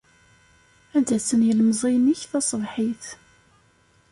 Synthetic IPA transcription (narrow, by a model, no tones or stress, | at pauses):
ænd̪æsənjəlmzˤiniçθɑsˤvħiθ